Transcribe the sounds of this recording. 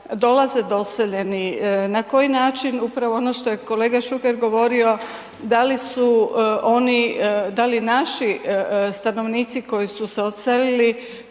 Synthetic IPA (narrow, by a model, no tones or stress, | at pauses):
d̪o̞laze̞d̪o̞seʎe̞ninako̞jinaːt͡ʃinupɾaʋo̞onoʃt̪o̞jeko̞le̞ːɡaʃuke̞ɾɡo̞ʋo̞ɾio̞ | d̪alisuo̞nid̪alinaʃist̪ano̞ʋniːt̪siko̞jisuseot̪selili